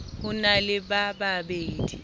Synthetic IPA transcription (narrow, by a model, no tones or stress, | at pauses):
hʊnalɪɓaɓaɓeːdi